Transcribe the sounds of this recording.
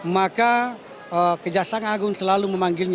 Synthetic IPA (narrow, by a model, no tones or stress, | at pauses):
maka | əkəd͡ʒasaaŋaɡʊŋsəlaluməmaŋɡɪlɲ